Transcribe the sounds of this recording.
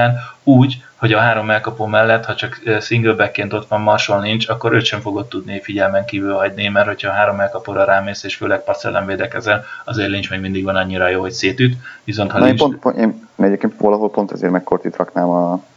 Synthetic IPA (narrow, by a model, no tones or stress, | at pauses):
aːnuːɟ | ho̞ɟɒɦaːɾo̞mɛlkɒpoːmɛlːɛt̪ːhɒt͡ʃɒkːsiŋɡlbɛkːeːnt̪o̞t̪ʋɒnmɒrʃolnint͡ʃɒkːo̞ɾøːt̪ʃɛɱfo̞ɡo̞t̪ːud̪nifiɟɛlmɛŋkiːvylɦɒɟnimɛrtho̞cʰhɒːɦaːɾo̞mɛlkɒpoːɾɒɾaːmeːseːʃføːlɛk̚pɒsɛ̰lʔɛɱveːd̪ɛkɛzɛnɒzeːrlint͡ʃmeːɡmind̪iɡʋɒnɒɲːiɾɒjoːho̞cseːt̪yt̪ʋiso̞nt̪hɒleient͡ʃponpeːnnɛɟeːp̚keːnt̪ʋɒlɒɦo̞lpo̞nt̪ɒzḛːɾmɛkkort̪it̪rɒknaːmɒ